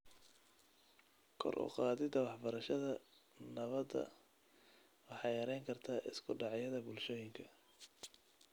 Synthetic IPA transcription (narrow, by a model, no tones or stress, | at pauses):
kʰɔ̰rʔʊ̰qɑːðɪd̪ɐwɑħbɐɾɐʃɐðɐnɐβɐd̪ɐ̰ | wɑħɑːjjɐɾɛjŋkʰɐrt̪ʰaːʔɪskʰʊɖɑʕjɐðɐbʊlʃɔːjɪŋkʰɐ